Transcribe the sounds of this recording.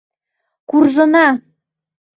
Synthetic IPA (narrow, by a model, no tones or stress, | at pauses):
kurʒɤ̆nɑ